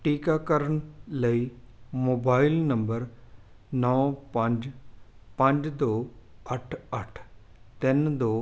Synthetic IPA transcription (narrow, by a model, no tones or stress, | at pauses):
ʈiːkakəɾəɽ̃ləi | moːbaːɪlnɐmbəɾ | nɐʋpɐ̃ɲd͡ʑpɐ̃ɲd͡ʒd̪oːɐʈʰɐʈʰ | t̪ɪnd̪oː